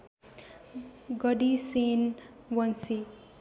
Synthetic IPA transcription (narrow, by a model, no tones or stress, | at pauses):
ɡʌɽisen | wʌnsi